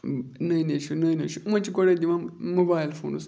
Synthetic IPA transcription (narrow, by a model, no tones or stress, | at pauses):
nəineʃunənḛʃuumat͡ʃiɡoɽedimammobailfo̰nṵs